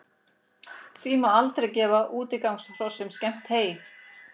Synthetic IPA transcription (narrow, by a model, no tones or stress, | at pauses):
θvimaalt̪ɾejcɛːvaʔuːt̪ɪkawŋsr̥ɔsːʏmscɛm̥t̪heːjɪ